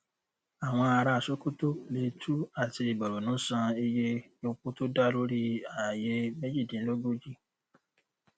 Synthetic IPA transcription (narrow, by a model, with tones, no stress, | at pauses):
a˨w̃ɔ̃˧a˧ɾa˧a˨so˦ku˦to˦le˧˦tʰu˦a˦˨ti˧i˨ɡ͡bɔ˨ɾo˨nũː˨˦sã˧e˧je˦ | o˧k͡po˦to˦da˦˨lo˦ɾi˦a˨je˧me˦d͡ʒi˦˨dĩ˨˦lo˦ɡo˦d͡ʒi˦